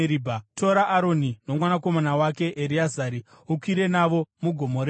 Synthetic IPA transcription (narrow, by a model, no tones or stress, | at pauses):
ɾibʱatʰo̞ɾaʔːɾo̞nino̞mwanako̞manawake̞ʔeɾiazaɾi | ukwiɾe̞naʋo̞muɡʱo̞mo̞ɾe